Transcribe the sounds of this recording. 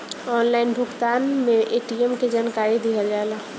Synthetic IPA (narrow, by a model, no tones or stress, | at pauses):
ɔːnlaːɪnbʱʊkt̪aːnmẽʔeːʈiemked͡ʒaːnkaːɾid̪iɦəld͡ʒaːlaː